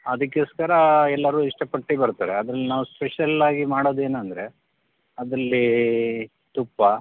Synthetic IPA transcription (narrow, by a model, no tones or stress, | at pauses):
ɐd̪ɐkːeːskɐɾɐɛlːɐɾuːiʂʈɐpɐʈːibɐɾt̪aːɾeɐd̪ɾɐlːinaːʋuspeʃjɐlaːɡimaːɽoːd̪e̞ːnɐnd̪ɐɾe̞ | ɐd̪ɾɐlːi | t̪upːɐ